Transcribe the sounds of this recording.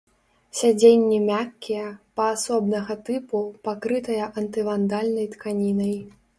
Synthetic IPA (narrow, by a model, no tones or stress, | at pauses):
sʲad͡zʲenʲːimʲakʲːijɛpɐːsɔbnɐɣɐt̪ɨpupakɾɨt̪ɐjɐʔɐnt̪ɨvand̪alʲnɐjt̪kanʲinɐj